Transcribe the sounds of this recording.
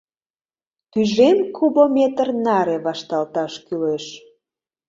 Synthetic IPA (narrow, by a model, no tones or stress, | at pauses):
t̪yʒemkʰubomet̪ərnɑɾeβɑʃt̪ɑlt̪ɑʃkyleʃ